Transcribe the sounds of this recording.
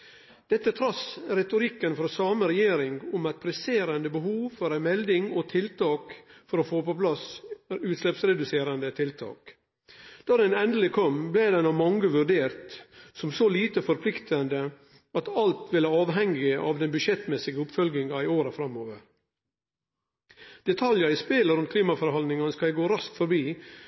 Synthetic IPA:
d̪̥ɛt̪ːət̪ʰɾɑsɾɛt̪ʊɾɪkːənfɔɾsɑːməɾɛjeːɾɪŋɡʊmæɪt̪̚pʰɾɛseːɾɑnd̪əbəɦuːʋfɔɾæɪmɛld̪ɪŋɔt̪ʰɪlt̪ʰɑːkfɔɾɔfoːpɔpʰlɑsʉːt̪slɛpsɾɛd̪ʉseːɾɑnd̪ət̪ʰɪlt̪ʰɑ̰ːk | d̪̥ɑːd̪ɛnɛnd̪əlɪkʰɔmblɛd̪ɛnɑʋmɑŋːəʋʉɾɖeːɾt̪sɔmsɔliːt̪əfɔɾpʰlɪkt̪ʰɑnd̪ə | ɑt̪ɑlt̪ʋɪləɑːʋɦɛŋɪʔɑʋd̪ɛnbʉʃɛt̪mɛsɪɡəʊpfœlɡnɪŋɑɪoːɾəfɾɑmːoːʋəɾ | d̪̥ɛt̪ʰɑljɑɪspeləɾʉnt̪kʰliːmɑfɔɾhɑld̪nɪŋɑnəskɑæɡoːɾɑsk̪fɔɾbiː

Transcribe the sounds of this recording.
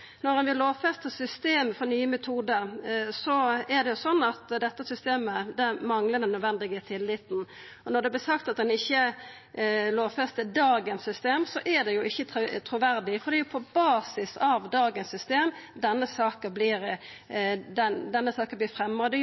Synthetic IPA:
nɔɾɛnʋɪloːʋfɛst̪əsʏst̪eːməfɔɾnyːəmɛt̪ʰuːd̪əɾsɔæd̪ɛjʊsɔnːɑt̪d̪ɛt̪ːəsʏst̪eːməd̪ɛmɑŋləd̪ɛnːœd̪ʋɛnd̪ɪɡət̪ʰɪlːɪt̪n̩ | ɔnɔd̪ɛblɪsɑkt̪ɑt̪̚d̪ɛnɪçːə | loːʋfɛst̪əd̪ɑːɡənsːʏst̪eːmsɔʔæd̪ɛjʊɪçːət̪ʰɾʊʋæɾd̪ɪfɔd̪ɛjʊpʰɔbɑːsɪsɑʋd̪ɑːɡənsːʏst̪eːmd̪ɛnːəsɑːkəblɪːɾ | d̪ɛd̪ɛnːəsɑːkəblɪːfɾɛmːəʁəd̪ɛ

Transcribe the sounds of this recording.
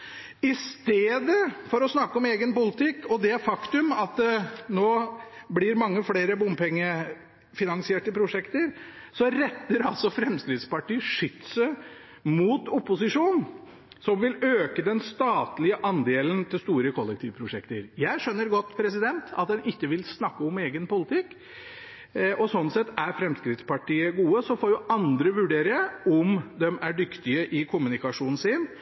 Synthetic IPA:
ɪst̪eːd̪əfɔɾɔsnɑkːəɔmeːɡənpʊlɪt̪ɪkːɔd̪ɛfɑkt̪ʉmɑt̪̚d̪ɛnoːblɪɾmɑŋːəfleːɾəbʊmːpɛŋːə | fɪnɑŋsɪeːʈəpʰɾʊʂɛkt̪əɾ | sɔɾɛt̪ːəɾɑlsɔfɾɛmsk̪ɾɪd̪spɑʈiːʂʏt̪sə | mut̪ʊpːʊsɪʂuːn | sɔmʋɪløːkəd̪ɛnst̪ɑːt̪lɪəʔɑnd̪eːlənt̪ʰɪlst̪uːɾəkʰɔlːɛk̚t̪ʰiːʋpʰɾʊʂɛkt̪əɾjæɪʂœnːəɾɡɔt̪ːpʰɾɛsɪd̪ɛnt̪ʰɑ̰t̪̚d̪ɛnɪkːəʋɪlsnɑkːəɔmeːɡənpʊlɪt̪ʰɪkː | ʔɔsɔnːsɛt̪ːæɾfɾɛmskɾɪt̪spɑʈiːəɡuːəsɔfoːɾjʊʔɑnd̪ɾəʋʉɖeːɾɪəɔmd̪ɛmæɖʏkt̪ɪəʔɪkʰʊmʉnɪkɑʂuːnn̩sɪn

